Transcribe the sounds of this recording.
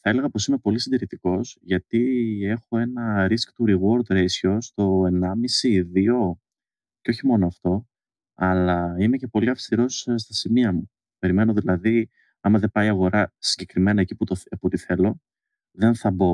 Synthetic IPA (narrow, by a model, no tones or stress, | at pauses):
θɐe̞le̞ɣɐpo̞sime̞po̞lisind̪iɾit̪iko̞sʝɐt̪ie̞xo̞e̞nɐɾiskt̪uɾiɣo̞ɾd̪ɾesçost̪o̞e̞nɐmisiːðio̞ | ceoçimo̞noɐft̪o̞ | ɐlɐime̞ce̞po̞liɐfst̪iɾo̞sst̪ɐsimiɐmu | pe̞ɾime̞no̞ðilɐði | ɐmɐðe̞bɐiɐɣo̞ɾɐsi̥ɲɟe̞kɾime̞nɐeciput̪oput̪iθe̞lo̞ | ðe̞nθɐbo̞